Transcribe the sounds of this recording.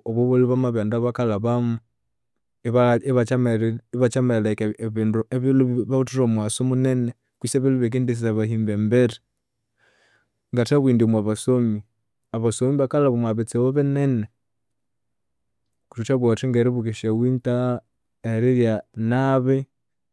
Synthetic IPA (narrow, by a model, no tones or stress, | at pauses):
oβoβoliβamaβandaβakalaβamu | βaiβaamβat͡ʃamellakeβindueβiluβiβautuɾomwasomunene | kwiseβiluβek̬endes̬isaβaɦiːmbembeɾi | ŋɡataβwiːndimwaβasomi | aβasomiβakalaβumwaβet͡sewoβenɛne | kutut͡ʃaβwatiŋɡeɾiβukeʃawinta | eɾiɾjanaβe